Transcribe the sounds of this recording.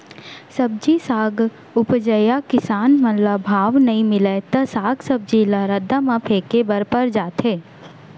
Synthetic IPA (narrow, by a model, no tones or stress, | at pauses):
sɐb̚d͡ʒisaːɡ | ʊpd͡ʒəjakɪsaːnmənlabʱaːʋnɐĩmɪlet̪ɐsaːɡsɐb̚d͡ʒilaɾəd̪ːamãpʰeːkebɐɾpəɾd͡ʒaːt̪ɦeː